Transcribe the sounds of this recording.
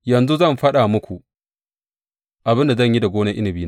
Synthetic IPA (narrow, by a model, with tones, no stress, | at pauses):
jɐ˨nzu˦zɐ˦mɸɐ˦ɗa˨mʊ˦kʷu˨ʔ | ʔa˨bɪ˦nda˨zɐ˦˨ɲji˦da˨ɡʷoː˦nɐ˦ʔɪ˦nɪ˨biː˦n